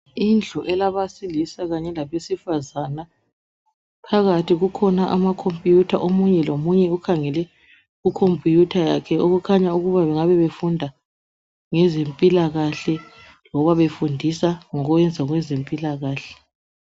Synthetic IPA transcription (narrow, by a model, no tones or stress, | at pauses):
ind͡ɮʱɔʔɛlaβasilisaɣaɲɛlaβesifazana | pʰaɣatʰiɣukʰɔnaʔamakʰompʼjutʰaʔomuɲɛlomuɲɛukʰaŋɛlɛ | ɣukʰompʼjutʰajakʰɛoɣukʰaɲauɣuβaβɛŋaβɛβefundʱa | ŋɛzempʼilaɣaɬɛ | lɔβaβefundʱisaŋɔɣuɛnd͡zʱaɣwɛzempʼilaɣaːɬɛ̥